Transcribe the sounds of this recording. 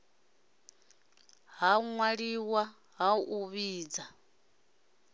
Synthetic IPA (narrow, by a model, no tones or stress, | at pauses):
ɦauŋwaɺiwa | ɦauʔuβiːd͡za